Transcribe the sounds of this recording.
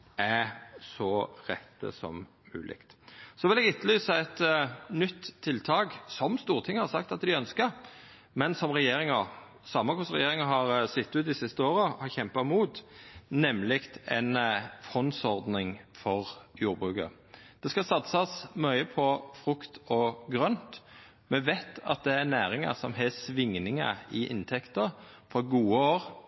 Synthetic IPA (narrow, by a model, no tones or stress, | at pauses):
æsɔʁɛt̪ːə̰sɔ̰m | mʉ̰ːlʔɪ̰kt̪sɔʋɪlɛɡɪt̪ːlyːsəɛt̪nʏt̪ʰːɪlt̪ʰɑːɡsɔmst̪uːʁt̪ʰɪŋːəhɑɾsɑkt̪ɑt̪d̪ɪœnskəɾ | mɛnsɔmʁɛjeːɾɪŋə | sɑmɑkʰɔsʁɛjeːɾɪŋəɦɑʁsɪt̪ːʉːt̪ɪsɪst̪əoːɾəhɑɾçɛmpɑmuːt̪nɛmlɪkt̪ɛnfɔnsɔʁd̪nɪŋfɔʁjuːɾbʁʉːkə̰ | d̪̥ɛskɑsɑt̪sɑsmœʏəpʰɔfɾʊkt̪ɔɡɾœnt̪ | mɛʋæɪt̪ʰɑ̰t̪̚d̪ɛæɾnæːɾɪŋɑ̰sɔmɦɛsʋɪŋnɪŋə̰ɪʔɪ̰nt̪ʰɛkt̪əɾ | fɔɾɡuːəoːɾ